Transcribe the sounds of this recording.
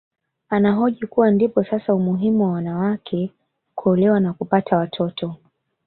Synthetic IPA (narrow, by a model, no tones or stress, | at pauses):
anaɦɔʄikuwandipɔsasaumuɦimuwawanawakʰɛ | kuɔlɛwanakupatʰawatʰɔtʰɔ